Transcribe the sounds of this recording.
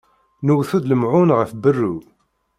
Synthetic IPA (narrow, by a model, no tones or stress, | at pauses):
nəwθud̪ləmʕʊnʁəfbərːu